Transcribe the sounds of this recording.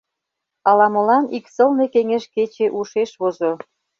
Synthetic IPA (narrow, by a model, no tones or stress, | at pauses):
ɑlɑmə̆lɑniksə̆lne̽keŋeʃket͡ɕeʔuʃeʃβozo